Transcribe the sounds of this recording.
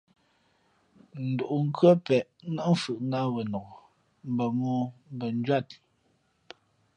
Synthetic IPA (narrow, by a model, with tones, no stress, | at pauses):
n̩˨do˨ʔu˨ŋ̩˦kɥə˦pɛ˨ʔna˦ʔ̩˦fɯ˨ʔŋa˦wɛ˨nɔ˨ɡɔ˨ | m̩˨bə˨mɔː˦m˦bə˨n˦d͡ʒwa˦˨t̚